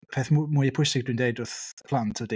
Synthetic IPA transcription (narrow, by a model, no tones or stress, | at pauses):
pʰeːθmmuːəpʰʊjsɪɡ̚dwindejdʊrθpʰlˠantʰɔdi